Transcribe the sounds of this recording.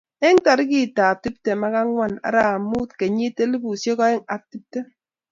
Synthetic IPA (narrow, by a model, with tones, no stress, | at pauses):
e˦ŋta˨ɾi˦ki˦˨ta˨ti˦p̚te˨ma˦ka˦ŋwa˦˨na̰˨ɾa˦a˨mu˦tke˨ɲi˦te˦li˦bu˨sjɔ˦kɔ˦e˦ŋa˨ti˦p̚te˦